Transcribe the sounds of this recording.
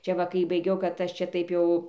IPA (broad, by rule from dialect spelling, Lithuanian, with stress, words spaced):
ˈt͡ʃʲɛ ˈʋɐ kɐɪ bɐɪˈɡʲɛʊ kɐt ˈɐʃ ˈt͡ʃʲɛ ˈtɐɪp jɛʊ